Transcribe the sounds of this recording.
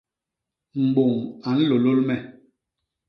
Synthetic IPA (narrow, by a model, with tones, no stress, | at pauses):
m̩˨ɡ͡bo˨ŋa˨˦n̩˦lo˨lo˦lmɛ˦˨